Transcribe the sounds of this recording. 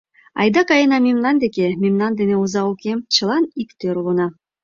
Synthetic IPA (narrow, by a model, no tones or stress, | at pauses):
ɑ̰jd̪ɑkɑjenɑmʲimnand̪ekʲemʲimnand̪eneuzɑukʲemt͡ʃɤ̆lˠɑnikt̪øɾulˠunɑ